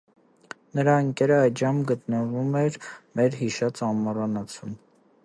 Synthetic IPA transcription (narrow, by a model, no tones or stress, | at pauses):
nəɾɑəŋkɛɾəɑj̪ʒɑmɡət̪nəvumɛɾmɛɾɦiʃɑt͡sɑmːɑrɑnɑt͡sʰum